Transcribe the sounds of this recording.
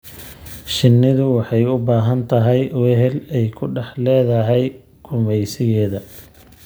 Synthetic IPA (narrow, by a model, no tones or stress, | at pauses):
ʃɪnːɪðʊwɑħɑjʊbaːɦɐnt̪ʰɐɦɛjwɛɦɛlɛjkʰʊɖɑħlɛːðɐɦɛj | ɡ̥ʊmɛjsɪɣɛːðɐ